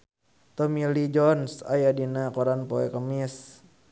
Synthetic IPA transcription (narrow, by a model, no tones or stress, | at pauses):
t̪ɔmilid͡ʒɔnsa̰jadinakɔɾanpɔɛkəmis